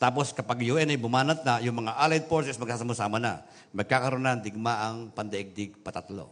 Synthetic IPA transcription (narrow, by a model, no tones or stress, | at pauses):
t̪aːposkɐpaɡjoʔɛnɐjbʊmaːnɐt̪̚najʊŋmɐŋaʔalajd̪̚poɹsɛsmɐɡsaːsɐmʊsaːmana̰ | mɐɡ̚kakɐɾonand̪ɪɡ̚maʔɐŋpɐnd̪ɐʔɪɡ̚d̪ɪɡ̚pɐt̪at̪lo̰